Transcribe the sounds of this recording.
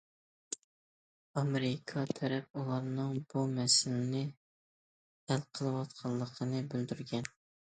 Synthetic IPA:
ɑmeɾɪkʰɑt̪ʰæɾɛp̚ulˠɑɾnɨŋbumɛsɪlɪnɪ | ælqʰəlˠɨwɑt̪̚qʰɑnˠlːˠəqʰənɨbyld̪yɾɡʲɛn

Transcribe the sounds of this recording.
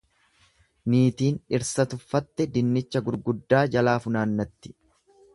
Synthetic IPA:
niːt̪iːnɪɾsɐt̪ʊfːɐt̪ːɛd̪ɪnːɪt͡ʃːɐɡʊɾɡʊd̪ːaːd͡ʒɐlaːfʊnaːnːɐt̪ːɪ̥

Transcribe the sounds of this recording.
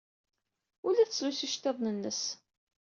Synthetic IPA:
ʊlæθəslusiʃt̪eðˤnənːəs

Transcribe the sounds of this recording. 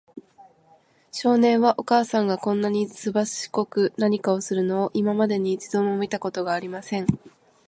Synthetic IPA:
ɕo̞ːnẽ̞ɰ̃βaʔo̞kaːsãŋɡakõ̞nːaɲ̟isɨbasɨ̥ɕi̥ko̞kɯ̟naɲ̟ikao̞sɨɾɯ̟no̞ːʔimamad̪e̞ɲ̟it͡ɕid̪õ̞ɰ̃omʲit̪ako̞t̪o̞ɡaːɾʲimasẽ̞ŋ

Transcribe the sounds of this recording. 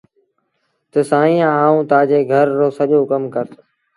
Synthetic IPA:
t̪əsãːĩːãːaːũːt̪aːd͡ʑeːɡʱəɾːoːsəʄoːkəmkəɾt̪ʰː

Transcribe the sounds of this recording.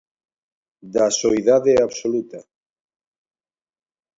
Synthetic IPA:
d̪asoiðaðeaβsolut̪a

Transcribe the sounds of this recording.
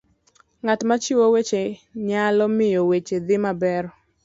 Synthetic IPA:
ŋatmat͡ʃiwowet͡ʃeɲalɔmɪjowet͡ʃed̪ɪmabɛɾ

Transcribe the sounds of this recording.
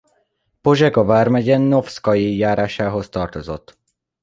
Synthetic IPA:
poʒɛɡɒvaːrmɛɟɛnːo̞fskɒjijaːɾaːʃaːɦo̞st̪ɒrt̪ozo̞̰t̪ː

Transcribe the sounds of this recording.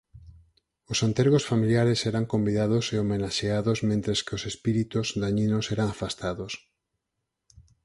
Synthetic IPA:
osant̪eɾɣosfamiljaɾesɛɾaŋkombiðað̞oseomenaʃeaðosmẽnt̪ɾeskɪosespiɾit̪ozðaɲinosɛɾaŋafast̪aðos

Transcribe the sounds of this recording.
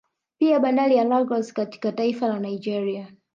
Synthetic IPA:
piaɓandalijalɔɡɔskati̥kataifalanaid͡ʒɛɾia

